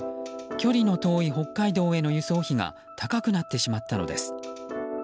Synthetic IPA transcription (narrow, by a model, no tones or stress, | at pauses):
kʲo̞ɾʲino̞t̪o̞ːiɦo̞kːaid̪o̞ːe̞no̞jɯ̟so̞ːçiɡa̰ | t̪ʰakakɯ̟nat̪ːe̞ɕimat̪ːano̞̰d̪esɨ̥